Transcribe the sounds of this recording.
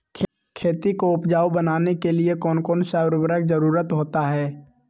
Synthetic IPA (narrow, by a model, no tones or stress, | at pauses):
kʰ | kʰeːt̪ikoʊpd͡ʒaːubənaːnekeliekɔːnkɔːnsaːwɾbəɾək̚d͡ʒəɾuːɾət̪ɦoːt̪aɦɛː